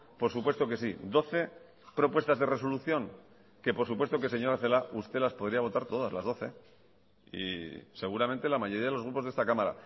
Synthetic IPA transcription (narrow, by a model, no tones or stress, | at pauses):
po̞ɾsupwe̞st̪o̞ke̞sid̪o̞θe̞ | pɾo̞pwe̞st̪azðe̞re̞so̞luθjo̞ŋ | ke̞poɾsupwest̪o̞kese̞ɲo̞ɾaθe̞laʔust̪e̞laspo̞ð̞ɾiaβo̞t̪aɾt̪o̞ð̞azla̰zðo̞θe̞ | ḭse̞ɣ̞uɾament̪e̞lamaʝo̞ɾiaðelo̞zɣɾupoðe̞st̪akamaɾa̰